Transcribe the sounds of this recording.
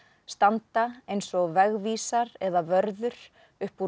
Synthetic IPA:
st̪ant̪aejnsɔɣvɛɣviːsaɾɛðavœɾðʏɾ̥ | ʏhpu

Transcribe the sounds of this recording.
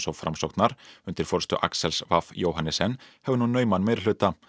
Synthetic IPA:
sɔwfɾamsowt̪naɾ̥ʏnt̪ɪɾ̥fɔɾ̥st̪ʏ̰ʔa̰ksɛlsvafjoːwɦanɪsɛnːhɛvʏnunːœːɥmanmeːjɾlʏːt̪a

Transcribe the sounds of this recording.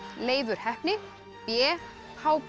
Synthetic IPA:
leːjðʏɾ̥hɛhpnɪ | pjɛː | haːwp

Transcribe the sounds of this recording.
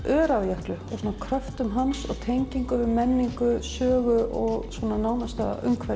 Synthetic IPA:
ʔœːɾavjahklʏɔ̰ɣsuːnakʰɾœft̪ʏmɦansɔɣt̪ʰejɲciŋkʏmɛnːiŋkʏsœːɣʏɔɣsvɔːnanaːwnast̪a̰ʏ̰ŋkʰvɛ

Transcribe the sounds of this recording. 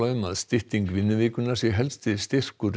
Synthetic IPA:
aʏma̰ðst̪ɪht̪iŋkvɪnːʏviːkʏnaɾ̥sjɛɦɛlst̪ɪðst̪ɪr̥kʏɾ

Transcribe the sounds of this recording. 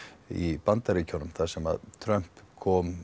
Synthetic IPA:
ipant̪aɾɪcʰowɾmθasɛma̰ðt̪ʰɾœm̥pkʰɔːm

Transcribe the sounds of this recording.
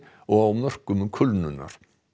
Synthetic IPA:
ɔawnɔr̥kʏmkʰœlnʉna̰ɾ̥

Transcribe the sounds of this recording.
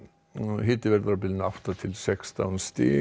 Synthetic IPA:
ɦɪːt̪ɪvɛɾðɾap̬ɪlɪnaft̪at̪ʰɪlsɛkst̪ʰa̰wnst̪ɪ̰ː

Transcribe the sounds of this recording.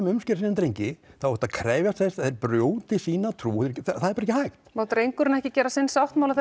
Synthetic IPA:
mʏmscɛɾsinɪmt̪ɾejɲcɪθawɔht̪akʰɾɛːvjast̪θɛst̪θeɾpɾjoːwt̪ɪsiːnat̪ʰɾuːɾcθθaðɛɾpːaɾɛcɪhajxt̪mawt̪ɾejŋkʏɾʏnɛhcɪcɛːɾasɪnsawht̪mawlaθ

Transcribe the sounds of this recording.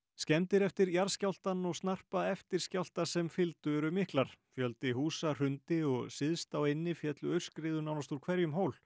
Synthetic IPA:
scɛnt̪ɪɾɛft̪ɪɾjaɾscawl̥t̪anːɔɣstnar̥paɛft̪ɪɾ̥scawl̥t̪asɛmfɪlt̪ʏɛɾʏmɪhklaɾ̥fjœlt̪ɪhuːsar̥ʏnt̪ɪɔɣsɪðst̪aːwejnːɪfjɛt̪lʏœɥr̥skɾɪːðʏnawnast̪uɾ̥kʰvɛɾjʏmɦoːwl

